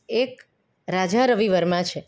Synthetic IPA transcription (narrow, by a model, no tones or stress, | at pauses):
ek | ɾad͡ʒaɾəʋiʋəɾmãt͡ʃʰe